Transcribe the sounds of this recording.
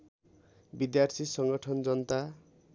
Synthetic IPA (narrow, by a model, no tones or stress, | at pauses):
bid̪jart̪ʰisʌŋɡʌʈʰʌnd͡zʌnt̪a